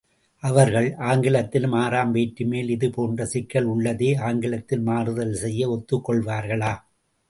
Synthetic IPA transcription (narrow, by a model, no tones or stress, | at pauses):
ʔɐʋɐɾɣɐɭaːŋɡɪlɐt̪ːɪlmaːɾaːmʋeːʈːɯmeːlɪðɯpoːndrɐsɪkːɐɭʊɭːɐðeːaːŋɡɪɭɐt̪ːɪlmaːɾɯðɐlsɛjːɐɔt̪ːɯkːɔɭʋaːɾɣɐɭaː